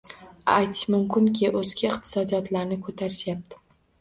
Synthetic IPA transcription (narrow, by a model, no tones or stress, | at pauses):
ajt̪ʰɪ̥ʃmʊmkʲʰɪŋkʲʰɪʔɵzɡʲaɪqt̪ʰɪ̥sɒd̪ijɒt̪ʰlaɾnɪkʰot̪ʰaɾɪʃjap̚t̪ʰɪ̥